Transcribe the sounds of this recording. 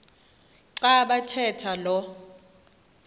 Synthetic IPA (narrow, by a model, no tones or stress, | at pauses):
ǃaɓatʰɛtʰalɔ